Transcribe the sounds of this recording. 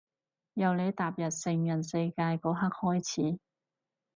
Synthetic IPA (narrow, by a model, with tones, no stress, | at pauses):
jɐ˨wne˨˧jt̪aː˨p̚jɐ˨t̚sɪ˧ŋjɐ˨˩nsɐ˧jkaː˧jkɔː˨˥ɦɐ˥k̚hɔː˥jt͡sʰiː˨˥